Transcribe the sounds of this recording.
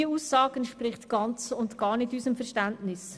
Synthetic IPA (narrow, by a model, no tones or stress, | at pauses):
iəuːsːɑːɡəntʃprɪχtɡ̥ɑnt͡sʊntɡ̥ɑːɾnɪtysəmfɛɾʃtæntnɪs